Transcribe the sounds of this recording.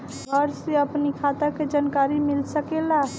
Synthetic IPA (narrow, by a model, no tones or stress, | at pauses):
ɡʱəɾseəpnikʰat̪əked͡ʒankaɾimilsəkela